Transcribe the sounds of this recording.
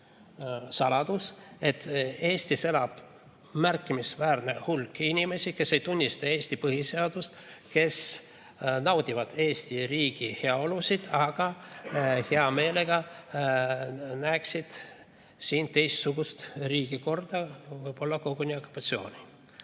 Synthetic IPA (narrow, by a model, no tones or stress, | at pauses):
sɑlɑd̪̥use̞t̪ːe̞ːsʲt̪ise̞lɑb̥ | mærkːˑimisvæːrne̞hulkːinʲime̞sike̞sːe̞jt̪unʲːist̪ɑe̞ːsʲt̪ipɤɦise̞ɑd̪ust̪ | ke̞s | nɑwd̪ʲivɑd̪̥e̞ːst̪iriːɡ̥iheɑo̞lusid̪̥ɑɡ̥ɑ | he̞ɑme̞ːle̞ɡ̥ɑ | næksid̪̥ | siːnt̪e̞jst̪suɡust̪riːɡ̥iko̞rd̪̥ɑvɤjb̥o̞lːɑko̞ɡ̥unʲiokːˑu̥pːɑt̪sio̞ːnʲi